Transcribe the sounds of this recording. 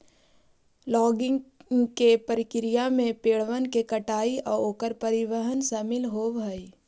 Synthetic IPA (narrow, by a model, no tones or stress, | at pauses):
lɔːɡɪ̃ŋŋkepəɾɪkɪɾɪjamẽpeːɭʋənkekəʈaːiʔɔːɾoːkəɾpəɾɪʋəɦənsaːmɪlɦoːbəi